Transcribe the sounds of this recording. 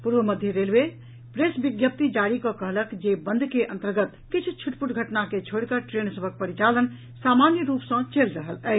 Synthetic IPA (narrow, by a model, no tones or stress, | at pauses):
puɾbəməd̪ʱjəɾelbe | pɾesbiɡjəp̚t̪id͡ʒaɾikɔ̃kəɦləkd͡ʒebənd̪ʱkeʔə̃nt̪əɾɡət̪kit͡ʃʰt͡ʃʰuʈpuʈɡʱəʈnaket͡ʃʰoɽkəʈɾensəbʱək̚pəɾit͡ʃalən | samanjəɾupsə̃t͡ʃelɾəɦələɦ